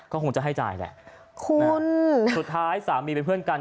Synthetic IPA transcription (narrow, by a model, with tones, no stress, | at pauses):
kɔː˥˩kʰo˧ŋt͡ɕa˨˩ɦa˥˩jt͡ɕa̰ː˧jlɛ̰˧˩ʔ | kʰu˧nsu˨˩t̪̚ʰːaː˦˥jsaː˩˦mːi˧pe˧npʰɯ˥˩ənka˧n